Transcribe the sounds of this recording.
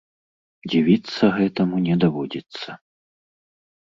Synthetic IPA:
d͡zʲivʲit̪sːɐɣɛt̪ɐmunʲɛd̪avɔd͡zʲit̪sːɐ

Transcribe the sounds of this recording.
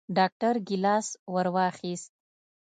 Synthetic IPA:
ɖɑk̚ʈaɾɡɪlɑswaɾwɑxist̪̚

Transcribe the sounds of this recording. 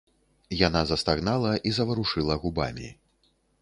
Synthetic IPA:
janazɐst̪aɣnalˠɐʔizɐvɐɾuʂɨlˠɐɣuba̰mʲḭ

